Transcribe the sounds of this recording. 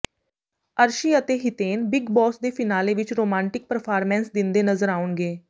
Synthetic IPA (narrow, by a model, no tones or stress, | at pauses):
əɾʃiːət̪eːɦɪt̪eːnbɪɡbɔːsd̪eːpʰɪnaːleːʋɪt͡ʃɾoːmãːɳʈɪk̚pəɾpʰaːɾmɛ̃ːnsd̪ɪnd̪eːnəzəɾaːʊɳɡeː